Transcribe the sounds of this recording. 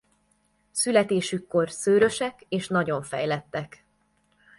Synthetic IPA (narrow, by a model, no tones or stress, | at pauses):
sylɛt̪eːʃykːo̞rsøːɾø̞ʃɛkeːʃnɒɟo̞ɱfɛ̰jlɛt̪ːɛk